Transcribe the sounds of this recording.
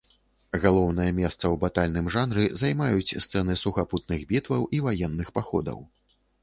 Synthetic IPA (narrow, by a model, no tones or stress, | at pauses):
ɣalˠɔwnɐjɐmʲɛst̪sɐwbat̪alʲnɨmʐanɾɨzajmajut͡sʲst̪sɛnɨsuxaput̪̚nɨɣbʲit̪vɐwʔivajɛnːɨxpaxɔ̰d̪ɐ̰w